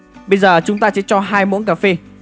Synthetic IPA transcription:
ɓə˧jzəː˨˩t͡ɕʊ˨˦ŋ͡mt̪aː˧sɛ̰˧˥t͡ɕɔ˧ɦaː˧jmṵ˧˥nk̬aː˧˩fe˧

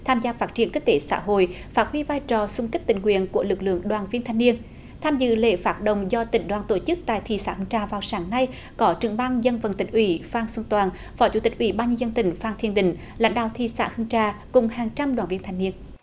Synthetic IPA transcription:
t̪ʰaː˧mzaː˧faː˦˥t̚t͡ɕi˧˩ənki˦˥t̚t̪e˨˦sa̰ː˧˥ɦo̰˧˨j | faː˦˥t̚hwi˧vaː˧jt͡ɕɔ˨˩sʊ˧ŋ͡mkə˦˥k̚t̪ï˨˩ŋwḭ˧˨ənku˧˩əlɨ˨˩k̚lɨ̰˧˨əŋɗwaː˨˩nvi˧ənt̪ʰjŋni˧ən | t̪ʰaː˧mzɨ̰˧˨lḛ˧˨faː˦˥t̚ɗə̰˧˨wŋ͡mzɔ˧t̪ï˨˩˦ŋ̟ɗwaː˨˩nt̪o˧˩t͡ɕɨ˦˥k̚t̪a̰ː˧˨jt̪ʰḭ˧˩sa̰ː˧˥hɨ˧ŋt͡ɕaː˨˩vaː˨˩wsaː˨˦ŋna˧j | kɔ˨˦t͡ɕɨ˨˧˩əŋɓaː˧ŋzə˧nvə˨˩nt̪ï˨˩ŋ̟ʔwi˧˩˦faː˧ŋswu˧nt̪waː˨˩n | fɔ˨˦t͡ɕṵ˧˩˦t̪ï˨˩k̟ʔwi˧˩˦ɓaː˧nɲɨ˧zə˧nt̪ï˧˩ŋ̟faː˧ŋt̪ʰi˧˨ənɗï˧˨˩ŋ̟ | la̰˧˥jŋ̟ɗa̰ː˧˨wt̪ʰḭ˧˨˩sa̰ː˧˥hɨ˧ŋt͡ɕaː˧˩kʊ˨˩ŋ͡mhaː˨˩ŋt͡ɕa˧mɗwaː˨˩nvi˧nt̪ʰːjni˧ən

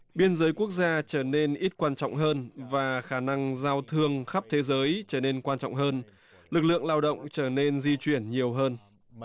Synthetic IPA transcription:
ɓi˧ənzəː˨˦jku˦˥ək̚zaː˧t͡ɕəː˧˩ne˧nʔi˦˥t̚kwaː˧nt͡ɕɔ̰˧˨wŋ͡mɦəː˧nvaː˨˩xaː˧˩na˧ŋzaː˧wt̪ʰɨ˧əŋxa˦˥p̚t̪ʰe˨˦zəː˨˦jt͡ɕəː˧˩ne˧nkwaː˧nt͡ɕɔ̰˧˨wŋ͡mɦəː˧n | lɨ˨˩k̚lɨ̰˧˨əŋlaː˧wɗə̰˧˨wŋ͡mt͡ɕəː˧˩ne˧nzi˧t͡ɕwi˧˩ənɲi˨˩əwɦəː˧n

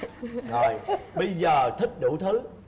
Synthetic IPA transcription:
zo˨˩jɓə˧jzəː˨˩t̪ʰï˦˥k̟̚ɗṵ˧˥˦t̪ʰɨ˨˦

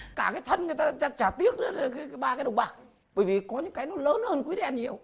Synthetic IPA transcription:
kaː˧˩kaː˨˦jt̪ʰə˧nŋɨ˨˩jt̪aː˧t͡ɕaː˧t͡ɕaː˧˩t̪i˦˥ək̚ɗɨ̰˨˦lkaː˨˦kːɓaː˧kaː˨˦jɗwŋ͡mɓaː˨˩k̚ | ɓəː˧˩jvi˨˩kɔ˨˦ɲɨ̰˧˥ŋkaː˨˦jnɔ˨˦jləː˨˦nhəː˧nkwɛ˧nɲi˨˩əw

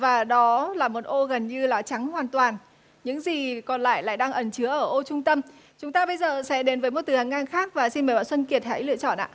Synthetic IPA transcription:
vaː˨˩ɗɔ˨˦laː˨˩mo˨˩t̚ʔo˧ɣə˨˩nɲɨ˧laː˨˩t͡ɕa˨˦ŋhwaː˨˩nt̪waː˨˩n | ɲɨ̰˧˥ŋzi˨˩kɔ˨˩nla̰ː˧˨jla̰ː˧˨jɗaː˧ŋʔə˨˩nt͡ɕɨ˨˦əʔəː˧˩ʔo˧t͡ɕʊ˧ŋ͡mt̪ə˧m | t͡ɕʊ˨˦ŋ͡mt̪aː˧ɓə˧jzəː˨˩sɛ̰˧˥ɗe˨˦nvəː˨˦jmo˨˩t̚t̪ɨ˨˩ha˨˩ŋʔaː˧nxaː˦˥k̚vaː˨˩si˧nməː˨˩jɓa̰ː˧˨nswə˧nki˨˩ət̚ha̰ː˧˥jlɨ̰˧˨ət͡ɕɔ̰˧˨nʔa̰ː˧˨

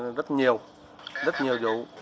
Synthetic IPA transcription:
zə˦˥t̚ɲi˨˩əw | zə˦˥t̚ɲi˨˩əwzṵ˧˨

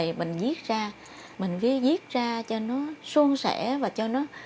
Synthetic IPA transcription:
jmï˨˩ŋ̟zi˦˥ət̚zaː˧ | mï˨˩ŋ̟vi˨˦əzi˦˥ət̚zaː˧t͡ɕɔ˧nɔ˨˦su˧əŋsɛ̰˧˩˥vaː˨˩t͡ɕɔ˧nɔ˨˦

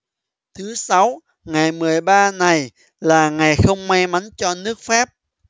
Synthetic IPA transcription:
t̪ʰɨ˨˦sa˨˦w | ŋa˨˩jmɨ˨˩əjɓaː˧na˨˩j | laː˨˩ŋa˨˩jxə˧wŋ͡mma˧jma˨˦nt͡ɕɔ˧nɨ˦˥ək̚faː˦˥p̚

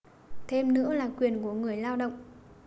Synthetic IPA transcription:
t̪ʰe˧mnɨ̰˧˥əlaː˨˩kwi˨˩ənku˧˩əŋɨ˨˩əjlaː˧wɗə̰˧˨wŋ͡mʔ

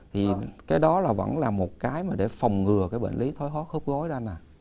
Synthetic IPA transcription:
t̪ʰi˨˩kaː˨˦jɗɔ˨˦laː˨˩və̰˧˥nlaː˨˩mo˨˩t̚kaː˨˦jmaː˨˩ɗe˧˩fa˨˩wŋ͡mŋɨ˨˩əkaː˨˦jɓḛ˧˨nli˨˦t̪ʰo˨˦jɦɔ˦˥xu˦˥k͡p̚ɣɔ˨˦jzaː˧naː˨˩

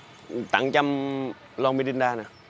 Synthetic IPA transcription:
t̪a̰˨˩˦ŋt͡ɕa˧m | lɔ˧ŋmi˧ɗi˧nɗaː˧na˨˦

